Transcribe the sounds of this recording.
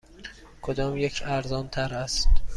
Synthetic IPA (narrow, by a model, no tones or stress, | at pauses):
kʰod̪ɒːmjecʰæɾzɒːnt̪ʰæɾæst̪